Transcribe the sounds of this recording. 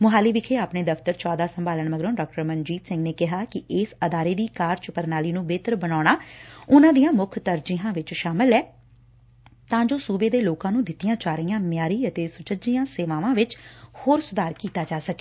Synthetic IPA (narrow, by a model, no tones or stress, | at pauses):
mʊɦaːliːʋɪkʰeːaːpɳeːd̪əft̪əɾt͡ʃɔːd̪aːsəmbaːləɳməɡɾõːɖaːk̚ʈəɾmənd͡ʒiːt̪sɪ̃ŋɡneːkɪɦaːkɪɪːsəd̪aːɾeːd̪iːkaːɾt͡ʃpəɾnaːliːnũːbeːt̪əɾbənaːɽ̃aːʊnãːd̪ijãːmʊkʰt̪əɾd͡ʒijãːʋɪt͡ʃʃaːmɪlɛː | t̪ãːd͡ʒoːsuːbeːd̪eːloːkãːnũːd̪ɪt̪ːijãːt͡ʃaːɾiːãːmɪjaːɾiːət̪eːsʊt͡ʃəd͡ʒiːãːseːʋaːʋãːʋɪt͡ʃhoːɾsʊd̪aːɾkiːt̪aːd͡ʒaːsəke̥ː